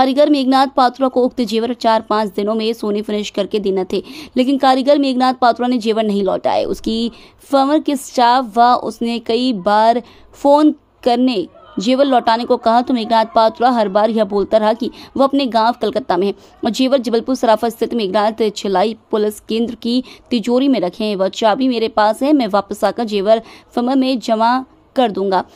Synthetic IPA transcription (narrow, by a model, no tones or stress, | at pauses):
kaːɾjəɡəɾmeːɡnaːt̪̚paːt̪ɾakoʊk̚t̪ed͡ʒeːʋəɾt͡ʃaːɾpãːt͡ʃd̪ɪnõmẽsoːnifɪnɪʃkɐɾked̪eːnat̪ʰeːleːkɪnkaːɾjəɡəɾmeːɡnaːt̪̚paːt̪ɾaned͡ʒeːʋəɾnɐɦĩlɔ̰ːʈa̰ːḛʔʊ̰ski | fɐːʋəɾkesʈaːfʋaʔʊ̰snekɐibaːɾ | foːn | kɐɾne | d͡ʒeːʋəɾlɔːʈaːnekokɐɦat̪omeːɡɾaːt̪̚paːt̪ɾaɦɐɾbaːɾjɐɦboːlt̪aɾɐɦakiʋoɐpneɡãːʋkɐlkət̪ːamẽɦɛ̃ | ɔd͡ʒeːʋəɾd͡ʒɐbəlpʊɾsɐɾaːfast̪ʰɪt̪meːɡɾaːt̪t͡ʃʰɐlaːipʊlɪskẽːnd̪ɾkit̪ɪd͡ʒoːɾimẽɾɐkʰẽɦɛ̃ʋɐʃabʱimeːɾepaːsɦɛmɛ̃ʋaːpəsaːkad͡ʒeːʋəɾfɐməɾmẽd͡ʒɐma | kɐɾd̪ũːŋɡaː